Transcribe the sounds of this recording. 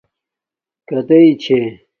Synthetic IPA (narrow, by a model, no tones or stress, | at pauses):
kɐt̪ɐit͡ɕʰe